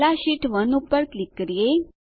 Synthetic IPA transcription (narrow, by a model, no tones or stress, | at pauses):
aɕiʈʰʋənupəɾklikːɾije